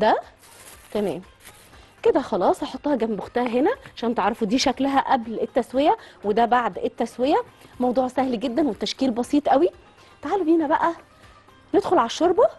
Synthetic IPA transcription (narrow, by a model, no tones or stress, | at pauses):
d̪æ | t̪æmɛ̰ːm | ked̪æxɑlɑːsˤʔɑħot̪ːˤɑːhɑɡæmboxt̪æːɦenæʕaʃæːnt̪eʕɾˤɑfud̪iːʃæklæɦæʔæblet̪ːæswejæwed̪æbaʕd̪et̪ːæswejæmɑwd̪ˤuːʕsæhliɡed̪ːænwet̪ːæʃkiːlbɑsiːt̪ˤʔæwi | t̪aʕaːlbiːnæbæʔæ | ned̪xolʕalæʃːoɾˤbɑ